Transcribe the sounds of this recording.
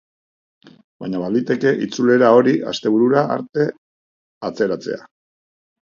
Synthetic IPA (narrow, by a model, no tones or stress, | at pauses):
baɲaβald̪it̪e̞ke̞ʔit͡sule̞ɾao̞ɾiʔa̰st̪e̞β̞uɾuɾaa̰ɾt̪e̞ | at͡se̞ɾat͡se̞̰a